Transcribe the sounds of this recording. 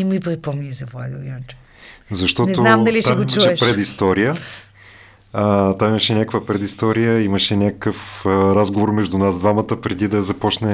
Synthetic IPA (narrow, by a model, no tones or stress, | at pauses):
imipɾipɔmɲʲizɐva̰d̪uiont͡ʃ | zɐʃt̪ɔnzʊamd̪ɐlʲiʃt̪amɡʊit͡ʃɐuʃɛʃpɾɛd̪ist̪ɔɾijə | t̪amimɐʃɛnʲakəkvəpɾɛd̪ist̪ɔɾijəimɐʃɛnʲakəkəfɾazɡovoɾmɛʒd̪ʊnasd̪vamɐt̪əpɾɛd̪id̪ɐzɐpɔt͡ʃnɛ